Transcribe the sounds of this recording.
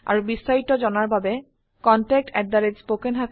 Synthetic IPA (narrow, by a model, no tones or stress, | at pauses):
a̰ɾubisːaiʈod͡ʑɔnaɾbʱabe | kɔnʈɛk̚ʈɛʈ̚d̪aɾed͡ʑspokenɦak